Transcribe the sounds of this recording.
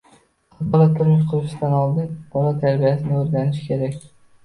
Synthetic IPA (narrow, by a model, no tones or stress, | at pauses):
bɒlˠat̪ʰʊɾmɪʃ̬qʰʊɾɪʃɪd̪anɒlˠd̪ɪmb̥ɒlˠat̪ʰaɾbijasɪnɪɵɾɡʲanɪʃkʲʰe̞ɾakʲ